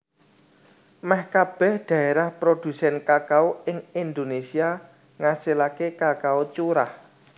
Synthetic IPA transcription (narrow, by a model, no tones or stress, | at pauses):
mɛhkab̥ɛ̤hɖ̪̥ä̤eɾahpɾod̪̥ṳsɛnkakaoɪŋind̪onesia | ŋasilakekakaot͡ʃuɾa̰h